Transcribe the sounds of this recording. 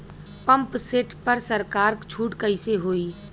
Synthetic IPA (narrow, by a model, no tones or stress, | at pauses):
pɐ̃mpseʈʰpɐɾsəɾkaːɾt͡ʃʰuːʈkəɪseɦoːiː